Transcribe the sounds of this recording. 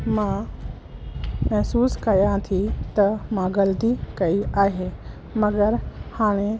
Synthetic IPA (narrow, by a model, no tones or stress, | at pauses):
mãː | mɐɦsuːskɐjãt̪ʰit̪ɐmãɡɐlt̪ikɐiaːɦeː | mɐɡəɾhaːɽ̃e